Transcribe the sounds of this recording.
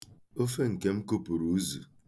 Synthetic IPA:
o˦fe˦ŋ̩˨ke˦m̩˦ku˦pu˨ɾu˨˦zu˨

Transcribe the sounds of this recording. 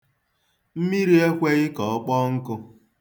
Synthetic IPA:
m̩˦mi˦ɾi˦e˦kʷe˦ɣɪ˦kɔ˨ɔ˦k͡pɔ˦ŋ̩˦kʊ˧

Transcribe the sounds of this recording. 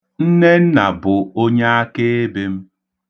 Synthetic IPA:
n̩˦ne˦n̩˦na˨bʊ˨o˦ɲa˦a˦ke˦e˦be˦m̩˦

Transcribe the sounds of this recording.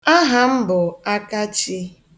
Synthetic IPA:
a˦ɦa˦m̩˦bʊ˨a˦ka˦t͡ʃi˦

